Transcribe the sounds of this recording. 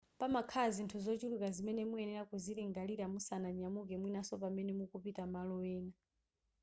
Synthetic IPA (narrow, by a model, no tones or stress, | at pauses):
pamakʰazintʰuzɔt͡ʃulukazimɛnɛmuɛnɛɾakuziɾɛŋɡaliɾamusanaɲamuk̬ɛmwinasɔpamɛnɛmukupitamalɔwɛːna